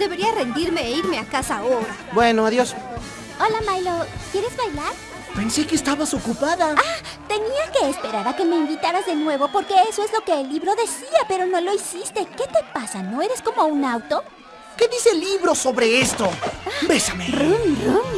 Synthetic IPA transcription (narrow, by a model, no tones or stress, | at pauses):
d̪e̞βe̞ɾiarend̪iɾme̞ːiɾme̞akasaoɾabweno̞aðjo̞s | o̞lamajlokje̞ɾe̞zβajlaɾ | pe̞nsekeːst̪aβaso̞kupaðaa | t̪e̞niake̞ːspe̞ɾaɾake̞me̞imbit̪aɾazðe̞nwe̞βopo̞ɾke̞eso̞ezlo̞ke̞ːlːiβɾo̞ðe̞siape̞ɾo̞no̞lo̞isist̪e̞ke̞t̪e̞pasano̞e̞ɾe̞sko̞mo̞unawt̪o̞ | ke̞ðise̞liβɾo̞so̞βɾe̞est̪o̞abesamerunrun